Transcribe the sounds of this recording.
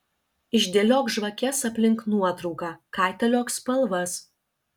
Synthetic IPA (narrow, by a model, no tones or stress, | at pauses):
ɪʒʲd̪ʲeːlʲoːkʒʋɐkʲɛsɐpʲlʲɪŋknuɔt̪ɾɔʊkɑːkɑˑɪt̪ʲɐlʲoːkspɐlˠʋɐs